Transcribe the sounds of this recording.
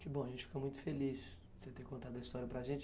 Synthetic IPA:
kɪbõɐʒẽt͡ʃɪ̥fi̥komũj̃t̪ʊ̥felis | set̪ekõnt̪ad̪ɐist̪ɔɾjɐpɾaʒẽnt͡ʃ

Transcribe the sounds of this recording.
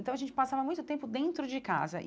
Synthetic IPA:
t̪ɐ̃wɐʒẽnt͡ʃɪpasavɐmũj̃t̪ʊt̪ẽmpʊd̪ẽnt̪ɾʊd͡ʒɪka̰zɐ̰ʔɪ

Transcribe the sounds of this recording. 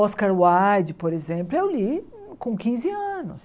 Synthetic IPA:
ɔskaɾwajd͡ʒɪpoɾezẽmplʊewli | kõkĩzɪɐ̃nʊ̰s

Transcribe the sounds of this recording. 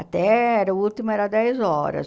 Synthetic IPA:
ɐt̪ɛɛɾɐult̪imɐɛɾɐd̪ɛjzɔɾɐ̰s

